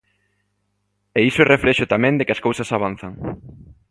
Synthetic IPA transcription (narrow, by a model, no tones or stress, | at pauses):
eisʊɛrʔefɾɛʃʊt̪amɛ̃nd̪ɪkɪɐskowsɐsaβ̞anθaŋ